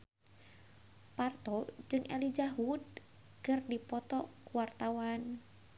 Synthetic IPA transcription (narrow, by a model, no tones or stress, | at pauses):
part̪ɔd͡ʒɨŋʔɛlid͡ʒaɦud | kɨrdipɔt̪ɔkuwart̪awan